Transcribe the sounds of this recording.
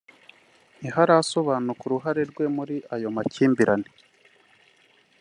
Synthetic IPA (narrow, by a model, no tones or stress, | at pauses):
niɦaɾaso̞βaːnukuɾuɦaɾe̞ɾɡwe̞muɾiʔajo̞maciːmbiɾani